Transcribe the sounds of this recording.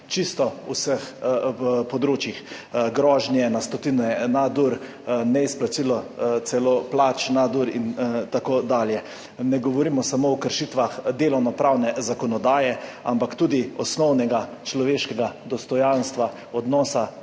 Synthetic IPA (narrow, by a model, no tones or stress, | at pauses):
t͡ʃist̪ɔṵsəx | pɔd̪ɾoːt͡ʃjixɡɾɔːʒnjɛnast̪ɔt̪inɔjɛnad̪uɾ | nɛisplasilɔt̪sɛloplat͡ʃnad̪uɾint̪akoːd̪aːljɛ | nɛɡɔʋɔɾimɔsamoɔkəɾʃit̪ʋaxd̪eːlɔwnɔpɾawnɛzakɔnɔd̪aːjɛa̰mpakt̪uːd̪iɔsnɔwnɛɡat͡ʃlɔʋeːʃkɛɡad̪ɔst̪ɔjanst̪ʋa | ɔd̪nɔːsa